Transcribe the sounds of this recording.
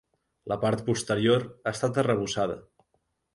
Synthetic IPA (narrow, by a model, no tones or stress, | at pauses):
ləpaɾt̪̚pust̪əɾioɾaəst̪at̪ərəβ̞usaðə̰